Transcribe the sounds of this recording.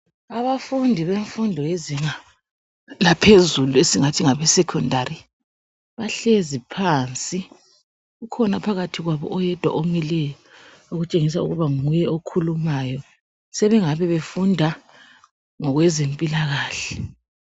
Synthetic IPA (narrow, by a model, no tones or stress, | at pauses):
aβafundʱiβeɱfundʱɔjeziŋa | lapʰezuluesiŋatʰiŋaβɛsɛkʰɔndʱari | βaɬezipʰant͡sʼi | ɣukʰɔnapʰaɣatʰiɣwaβɔ̰ʔɔjɛd̥ʱwa̰ʔomilɛjɔ | oɣut͡ʃʼeŋis̬aṵɣuβaŋujɛokʰulumaːjɔ | sɛβɛŋaβɛβefundʱa | ŋɔɣwɛzempʼilaɣaːɬɛ